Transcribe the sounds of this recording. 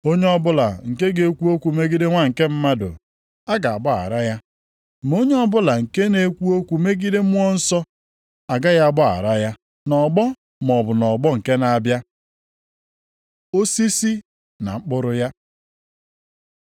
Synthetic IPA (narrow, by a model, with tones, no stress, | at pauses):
o˦ɲe˦ɔ˦bʊ˦la˨ŋ̩˨ke˦ɡe˨kʷu˦o˦kʷu˨me˦ɡi˦de˦ŋʷa˦ŋ̩˨ke˦m̩˦ma˦dʊ̰˨ | a˦ɡa˨a˨bɔ˦a̰˨ɾa˦ja˦˨ | m˨o˦ɲe˦ɔ˦bʊ˦la˨ŋ̩˨ke˦ne˨kʷu˦o˦kʷu˨me˦ɡi˦de˦m̩˦ŋɔ˦n̩˦sɔ˦ | a˨ɡa˦ja˦a˦˨bɔ˦a̰˨ɾa˦ja˦ | nɔ˨ɡ͡bɔ˦ | mɔ˨bʊ˨nɔ˨ɡ͡bɔ˦ŋ̩˨ke˦na˦˨bja˦ | o˦si˦si˦ | na̰˨ŋ͡m̩˦k͡pʊ˦ɾʊ˦ja˦